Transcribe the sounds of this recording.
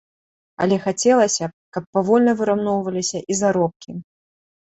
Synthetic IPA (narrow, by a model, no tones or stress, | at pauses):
ɐ̰lʲɛxat͡sʲɛlˠɐsʲɐkɐpːavɔlʲnɐvɨɾawnɔwvɐlʲisʲɐʔizaɾɔp̚kʲi